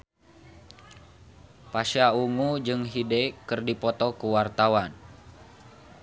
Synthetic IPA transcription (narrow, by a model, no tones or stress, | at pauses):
paʃauŋud͡ʒɨŋɦidɛkɨrdipɔt̪ɔkuwart̪awan